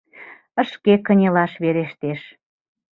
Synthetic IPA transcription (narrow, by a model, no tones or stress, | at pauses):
ə̆ʃkekə̆nʲelɑʃβeɾeʃt̪eʃ